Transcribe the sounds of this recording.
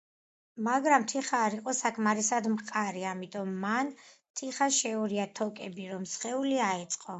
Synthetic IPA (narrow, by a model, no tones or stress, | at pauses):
maɡɾamt̪ʰiχaːɾiqʼɔsakʰmaɾisad̪mqʼaɾiamit̪ʼɔmːant̪ʰiχaʃɛuɾiat̪ʰɔkʼɛbiɾɔmsχɛuliaɛt̪sʼqʼɔ